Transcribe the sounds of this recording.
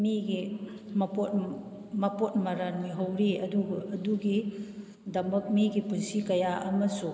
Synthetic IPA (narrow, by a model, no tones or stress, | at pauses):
miɡimɐpot̚ | mɐpot̚mɐɾanmiɦɐwɾiɐduɡɐʔɐduɡi | dɐmɐk̚miɡipunsikɐjaʔɐmɐsu